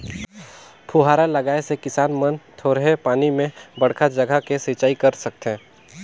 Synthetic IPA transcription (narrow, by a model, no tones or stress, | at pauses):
pʰuɦaːɾalɐɡaːesekɪsaːnmənt̪ʰoːɾɦepaːnimẽbɐɽ̤kʰad͡ʒɐɡʱəkesit͡ʃaːikɐɾsɐk̚t̪ẽː